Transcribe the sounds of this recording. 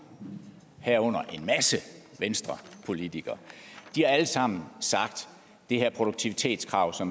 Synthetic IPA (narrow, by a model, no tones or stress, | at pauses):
hæɐ̰ɔ̽n̰ɐʔe̝nmæsəʋensd̥ʁɐpʰo̝lit͡sʰiɡ̥ɐd̥ihɑ̈æləsɑ̈m̰n̩sɑ̈ɡ̥d̥ | d̥e̝hæɐ̰pʰʁod̥oɡ̥̚t͡sʰiʋit͡sʰe̝̰ːd̥skʰʁɑ̈ʊsɒ̽m